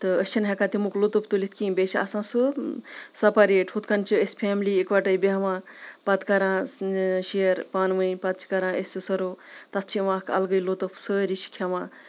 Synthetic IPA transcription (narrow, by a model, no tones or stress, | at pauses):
t̪ɨəsʲt͡ʃʰinɦekat̪imuklot̪upʰt̪ulit̪̚ʰkibʲet͡ʃʰiɐ̰sãːsɨ | sɐpaɾeːʈhut̪kɐnt͡ʃʰiəsʲpʰeːmliekʋɐʈɐjbeɦʋãː | pɐt̪kɐɾãːʃijəɾpaːnʋɐinpɐt̪̚t͡ʃʰi̥kɐɾãːəsʲsusɐɾoːt̪ɐt̪̚ʰt͡ʃʰiʋãːkɐ̰lɡəjlot̪opʰsəːɾiʃi̥kʰaʋãː